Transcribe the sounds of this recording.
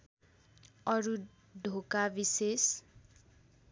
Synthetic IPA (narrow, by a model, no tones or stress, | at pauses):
ʌɾu | ɖʱokabises